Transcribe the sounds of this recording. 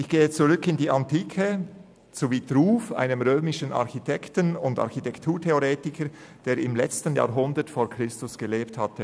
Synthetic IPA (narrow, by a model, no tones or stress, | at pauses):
ʔɪçɡ̥eːət͡suʁʏkɪndiːʔɑntʰiːkʰə | z̥oviːtɾuːfʔa̰ɪnəmʁøːmɪʃənɑ̰ʁçitʰɛktənʊndɑ̰ɾçitɛktʰuːtʰeoʁeːtɪkʰə | d̥eːɾɪmlɛt͡stənja̰ːɐɦʊndətfoːɐkʁ̥ɪstʊsɡ̥əleːpthatə